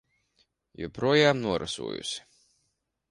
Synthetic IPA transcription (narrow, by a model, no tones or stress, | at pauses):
jṵpɾuɔjaːmnuɔɾʔa̰sṵɔːjṵsʲi̥